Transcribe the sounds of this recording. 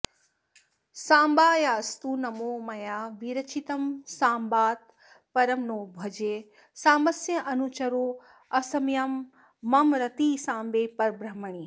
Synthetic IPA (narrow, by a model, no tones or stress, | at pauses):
sãːmbaːjaːst̪uːnɐmoːmɐjaːʋiɾɐt͡ʃit̪ɐmsaːmbaːt̪̚ | pɐɾɐmnoːbʱɐd͡ʒeː | saːmɐsjɐʔɐnut͡ʃɐɾoː | ɐsɐmjɐmː | ɐmɾɐt̪iːsãːmbeːpɐɾbɾɐmɐɳ̃iː